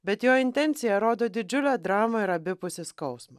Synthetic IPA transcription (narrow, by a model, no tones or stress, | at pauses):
bʲɛt̪joːɪnʲt̪ʲɛnʲt̪sʲɪjɛɾoːd̪oːd̪ʲɪd͡ʒʲʊlʲæːd̪ɾɑːmɐɪɾɐbʲɪpʊsʲɪskɐʊsmɐ